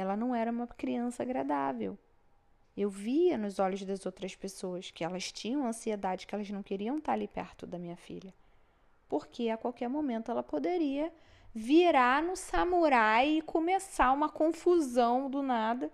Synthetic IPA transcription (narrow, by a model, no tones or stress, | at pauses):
ɛlɐnɐ̃w̃ɛɾɐũmɐkɾiɐ̃sɐːɡɾad̪avḛw | ewviɐnʊzɔʎʊzd̪ɐzowt̪ɾɐspesoɐskɪɛlɐst͡ʃĩɲɐ̃w̃ɐ̃sied̪ad͡ʒɪkɪɛlɐznɐ̃w̃keɾiɐ̃w̃t̪aɾɐlipɛ̰ɾt̪ʊd̪ɐmĩɲɐfḭʎɐ | poɾkeakwawkɛɾmomẽnt̪ʊɛlɐpod̪eɾiɐ | viɾanʊsɐmuɾajɪkʰomesaũmɐkõfuzɐ̃w̃d̪ʊnad̪ɐ